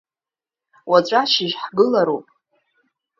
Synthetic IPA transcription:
wat͡ʃʷʼaʃɪʒħɡɨlaɾupʼ

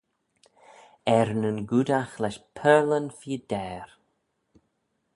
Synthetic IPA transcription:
ɛɾnənɡud̪axlɛʃpʰɛːlənfiːd̪̥ɛːɾ

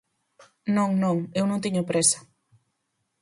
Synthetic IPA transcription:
nõŋnõŋewnõŋt̪̬iɲopɾesɐ̥

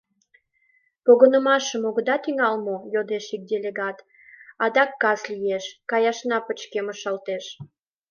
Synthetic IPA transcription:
poɣənəmɑʃəmoɣə̆d̪ɑt̪iŋɑlmojod̪eʃik̚d̪ʲelʲeɣɑt̪ | ɑd̪ɑkːɑslijeʃkɑjɑʃnɑpət͡ɕkeməʃɑlt̪eʃ

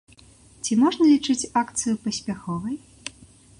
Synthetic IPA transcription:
t͡sʲimɔʐnɐlʲit͡ʂɨt͡sʲakt̪sɨjupɐsʲpʲaxɔvɐj

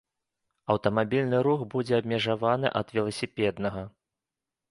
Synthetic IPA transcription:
ɐwt̪ɐmabʲilʲnɨɾuxbud͡zʲɛɐbʲmʲɛʐavanɨ̰ʔɐd̪vʲɛlˠɐsʲipʲɛd̪nɐɣɐ

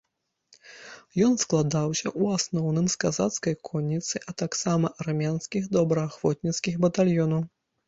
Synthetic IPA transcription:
jɔnsklˠad̪awsʲɐʔuasnɔwnɨmskazat̪skɐjkʰɔnʲːit̪sɨʔɐt̪aksamɐʔɐrmʲanskʲixd̪ɔbɾɐaːxvɔt̪̚ʲnʲit̪skʲixbɐt̪alʲjɔnɐw

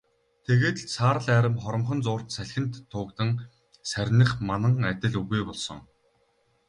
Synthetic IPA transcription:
t̪ʰeɣeːt̪sʰaːɾə̆ɮæːɾə̆mχɔɾɞ̆mχɞ̆nt͡sʊːr̥t̪sæɮʲxʲɘ̆nt̪ʰːʊːkt̪ɘ̆ŋ | sæɾʲnɘ̆χmanə̆ŋæt̪ʲɪ̆ɮuɣeːpɔɮsɞ̰̆ŋ

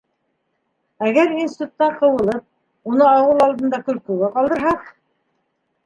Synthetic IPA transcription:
æɡæɾinsʲi̥t̪ut̪ːɑqɤ̆wɤ̆lˠɤp̚ | unɤɑwɤlˠɑlˠd̪ɤ̆nd̪ɑkɵ̆lkɵ̆wɘqɑlˠd̪ɤ̆ɾɦɑq

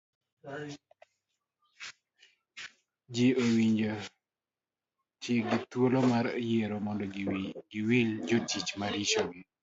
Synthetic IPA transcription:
d͡ʒiowiɲd͡ʒo | t͡ʃiɡit̪wolomaɾjeɾomɔndɔɡiwild͡ʒotit͡ʃmaɾit͡ʃoɡi

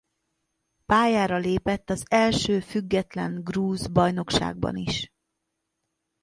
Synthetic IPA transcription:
paːjaːɾɒleːpɛt̪ːɒzɛlʃøːfyɡːɛt̪lɛ̰ŋɡruːzbɒjno̞kʃa̰ːɡ̚bɒ̰niʃ

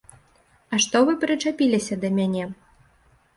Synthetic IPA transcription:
ɐʂt̪ɔvɨpɾɨt͡ʂapʲilʲisʲɐd̪ɐmʲanʲɛ

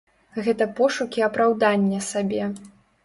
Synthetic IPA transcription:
ɣɛt̪ɐpɔʂukʲiɐpɾawd̪anʲːɐsabʲɛ

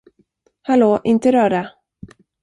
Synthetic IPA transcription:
haloːʔɪnt̪əɾœːɖa

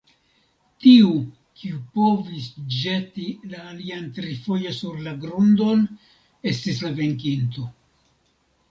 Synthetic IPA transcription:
tiu | kʰiupo̞visd͡ʒe̞tilaːliantɾifo̞josuɾlaɡɾundo̞n | e̞stislave̞ŋkint̪o̞

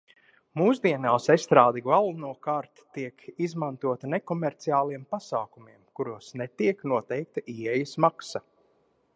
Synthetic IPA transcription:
muːzd̪iɛnawsɛst̪ɾaːd̪iɡvalˠnuɔkaːɾt̪ːiɛkizmant̪uɔt̪anekɔmɛɾt̪siaːlˠiɛmpasaːkumiɛmkuɾuɔsnet̪iɛknuɔt̪ɛjk̚t̪aʔiːɛjsmaksa

